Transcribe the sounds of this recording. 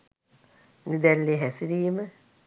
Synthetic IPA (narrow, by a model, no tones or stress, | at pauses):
nid̪ɛlːiɦɛsɾiːmə